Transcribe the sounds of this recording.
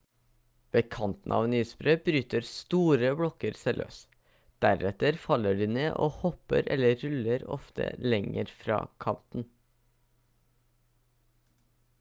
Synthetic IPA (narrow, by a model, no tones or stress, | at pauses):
ʋeːkʰɑnt̪n̩ʔɑ̰ːʋnyːspɾøːb̥ɾyːt̪əɾst̪uːɾəbɽɔkəɾsɛlʔø̰ːs | d̪̥æɾɛt̪əɾfɑləɖiːneːʔoːhɔpə̰ɾɛ̰ləɾʉləɾɔ̰ft̪ʰə̰lɛŋəɾfɾɑ̰ːkʰɑnt̪n̩